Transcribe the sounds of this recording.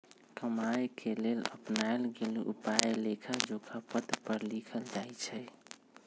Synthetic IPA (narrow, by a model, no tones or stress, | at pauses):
kəmajkʰelelə̰pnaelɡeliʔupajlekʰad͡ʒokʰapət̪pəɾlikʰəld͡ʒajt͡ʃʰɛj